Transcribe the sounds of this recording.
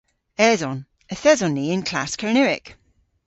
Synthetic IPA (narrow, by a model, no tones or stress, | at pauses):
ɛzɔn | əθɛzɔniɪ̃nkʰl̥a̰skʰəɹnɪɹɪ̰k